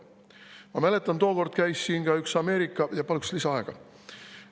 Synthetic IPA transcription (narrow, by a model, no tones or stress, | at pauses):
mɑmæle̞t̪ːˑɑnt̪o̞ːko̞rd̪̥kæjsːiːnkɑyksɑme̞ːɾikːˑɑjɑpɑlukslisɑɑe̞ɡ̥ɑ̰